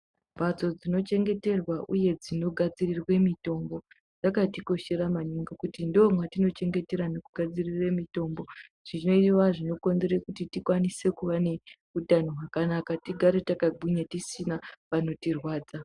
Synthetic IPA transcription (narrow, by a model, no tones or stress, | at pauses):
bʱat͡so̞d͡zino̞t͡ʃe̞ŋɡe̞te̞rwaʔuje̞d͡zino̞ɡʱad͡zirirwe̞mito̞mbo̞ | d͡zakatiko̞ʃe̞ɾamaɲiŋɡokutindoomwatino̞t͡ʃe̞ŋɡe̞te̞ɾano̞kuɡʱad͡ziriremito̞mbo̞ | ʐ̥ino̞iʋaʐino̞ko̞nzerekutitikwanise̞kuʋane̞ | utanoɦakanakatiɡʱaɾetakabʱiɲatisinaʋano̞tirwaːd͡za